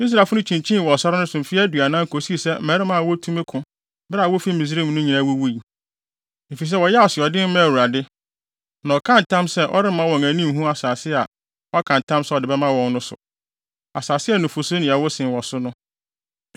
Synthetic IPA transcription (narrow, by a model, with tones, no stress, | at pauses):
i˦s̬ɾa˨fʊ˦ʊ̃˦t͡ɕʰĩ˨ɲt͡ɕʰĩ˦n˨wɔ˨sɔ˦ɾa˦nʊ̃˦sʊ̃˨m̩˨fi˦æ˦dɥa˨nã˦ŋ̩˦kʰo˨si˦˨sɛ˦m̩˦mɛ˨˦ɾɪ˦mã˦˨wɔ˦tʰũ˦mẽ˦kʰʊ̃˨ | bɾa˨wo˦fi˦mĩ˨s̬ɾi˦˨m˨nʊ̃˦ɲĩ˨nã˦wo˦wu˦i˨ | me˨fi˨s̬ɛ˦wɔ˨jɛ˦ɔ˨sɪ˨ɔ˨dɪ˦m˦mã˦˨wu˨ɾa˨dɪ˦ | nã˨kʰã˦n˨tʰã˦msɛ˦ʔɔ̰˦ɾɪ˦mã˦wɔ̃˨ŋæ̃˨nĩ˦m˦ɦũ˦a˨saː˨sɪ˦˨a˨ | wɔ˦kʰã˨n˨tʰã˦msɛ˦ɔ˨dɪ˨bɛ˦mã˦wɔ̃˨nnʊ̃˦sʊ̰˨ | a˨saː˨sɪ˦ɛ˦˨nʊ̃˨fʊ˨sʊ˦nɪ̃˨a˨wɔ˦sɪ̃˨wɔ˨sʊ˦nʊ̃˦